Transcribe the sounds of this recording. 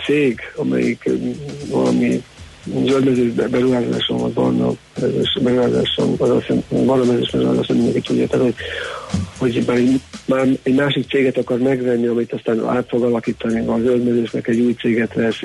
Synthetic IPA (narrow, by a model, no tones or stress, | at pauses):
t̪seːɡɒmɛ̰jḭkvɒ̰lɒ̰mi | zøld̪mɛzøːʒbbɛɾuɦaːza̰ːʃomɒbɒ̰rnɒ̰ | mɛzøːʃbɛɾuɦaːza̰ːʃo̰nɒzlosa̰bɒrnɒmɛzøːʃbɛɾuɦa̰ːzaːʃnɛmindɛŋkit̪uɟːa̰ːt̪ɛt̪ho | ho̞ɟbaːɾɛɟmaːrɛɟmaːʃik̚t̪seːɡɛt̪ɒkɒrmɛɡvɛnːiɒmit̪ɒst̪aːna̰ːt̪fo̞ɡɒlɒkiːt̪ɒniɒzøld̪mɛzøːʃnɛkɛɟːuːjt̪seːɡɛt̪vɛs